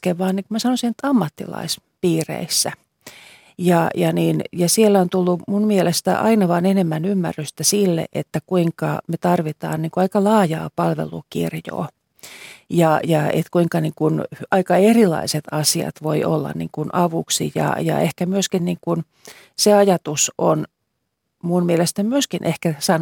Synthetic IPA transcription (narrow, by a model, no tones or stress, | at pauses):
keʋʋɑːnniŋkumæsɑnosinet̪ːɑmːɑt̪ːḭlɑ̰ispiːrḛisːæ | jɑjɑniːnjɑsielːæont̪ulːumunmielest̪æ̰ʔɑ̰inɑʋɑːnenemːænymːæ̰rːyst̪æsilːḛʔet̪ːækuiŋkɑmet̪ɑrʋit̪ɑ̰ːnniŋkuɑikɑlɑːjɑ̰ːpɑlʋḛlṵkḭrjo̰ː | jɑjɑḛt̪kuiŋkɑniːŋkunɑikɑerilɑ̰iset̪ɑsiɑ̰t̪ʋoiʔolːɑ̰nnḭːŋkunʔɑʋuksḭjɑ̰jɑ̰ehkæmyøskinniːŋkun | seɑjɑt̪uson | munmielest̪æmyøskinʔehkæsɑn